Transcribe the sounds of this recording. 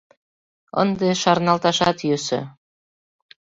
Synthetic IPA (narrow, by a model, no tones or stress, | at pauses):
ɤ̰nd̪eʃɑɾnɑlt̪ɑʃɑt̪jøsø̰̆